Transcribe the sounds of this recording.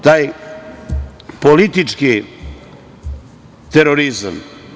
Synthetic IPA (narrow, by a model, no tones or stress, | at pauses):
t̪aj | polit̪it͡ʃki | t̪eɾoɾizm